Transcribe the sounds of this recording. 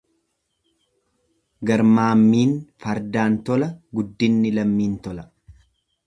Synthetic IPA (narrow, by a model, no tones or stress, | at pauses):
ɡɐɾmaːmːiːnfɐɾd̪aːnt̪ɔlɐɡʊd̪ːɪnːɪlɐmːiːnt̪ɔlɐ